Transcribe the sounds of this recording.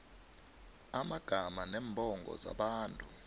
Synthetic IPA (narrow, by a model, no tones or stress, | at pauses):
amaɡ̥ʱamanɛːmbʱʼɔŋɡɔ̰za̰ɓaːntʼu